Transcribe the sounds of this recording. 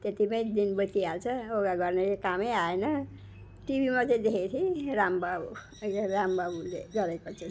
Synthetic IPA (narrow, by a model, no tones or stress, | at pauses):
t̪et̪imʌj̃d̪inbʌt̪ialt͡sʰʌoɡaɡʌrnelekamejaenʌ | ʈibʱimat͡sʌ̃ĩd̪ekʰet̪ʰiɾambabu | keɾambabuleɡʌɾekot͡sʰʌ